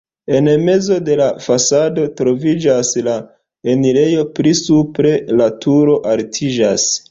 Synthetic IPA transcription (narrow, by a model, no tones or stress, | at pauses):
e̞nme̞zo̞de̞lafasado̞tɾo̞vid͡ʒasla | enile̞jo̞pɾisupɾe̞latʰuɾo̞ʔaltʰid͡ʒa̰s